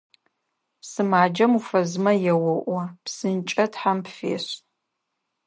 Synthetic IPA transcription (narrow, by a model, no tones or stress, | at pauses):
psɨmaːd͡ʒɐmufɐzmɐjɛwɔʔʷɐpsɨnt͡ʃʼɐtħampfḛːɕ